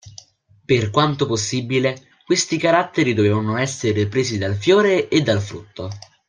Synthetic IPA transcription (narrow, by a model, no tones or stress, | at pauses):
perkwant̪oposːibile | kwest̪ikaɾat̪ːeɾid̪oveːvanoɛsːeɾepɾeːsid̪alfjoːɾeːd̪ːalfɾut̪ʰːo